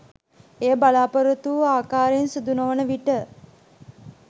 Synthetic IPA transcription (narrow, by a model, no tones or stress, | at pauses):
eːəbalaːpəɾət̪uaːkaːɾensud̪unoʋənəʋiʈə